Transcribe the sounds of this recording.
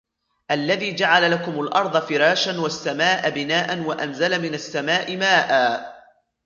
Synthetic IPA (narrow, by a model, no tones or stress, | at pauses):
ʔalːaðiːd͡ʒaʕalalakʊmʊlʔɑɾˤd̪ˤɑfɪɾɑːʃanwasːamaːʔabɪnaːʔanwaʔanzalamɪnasːamaːʔɪmaːʔaː